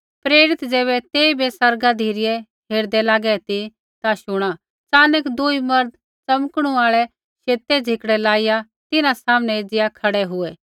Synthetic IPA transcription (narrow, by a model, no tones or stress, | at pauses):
pɾeːɾɪt̪d͡zɛːβɛt̪eːibʱesɐɾɡad̪ʱiːɾɪjɛ | ɦeːɾd̪ɛlaːɡɛt̪i | t̪aʃʊɽ̃a | t͡saːnəkd̪uimɐɾd̪ | t͡sɐmkɽ̃ũaːɭɛ | ʃeːt̪ɛd͡ʒʱɪkɽɛlaːɪja | t̪ɪnãsaːmənɛed͡zɪjakʰɐɽɛɦʊɛː